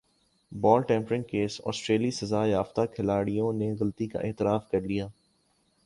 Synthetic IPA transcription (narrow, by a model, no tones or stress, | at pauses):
bɔːlʈɛ̃ːmpɾɪ̃nkeːsɔ̰ːsʈɾeːlisɐzaːjaːft̪akʰɪlaːɽijõneɣɐlt̪ika̰ʔɪːt̪ɪɾaːfkɐɾlijaː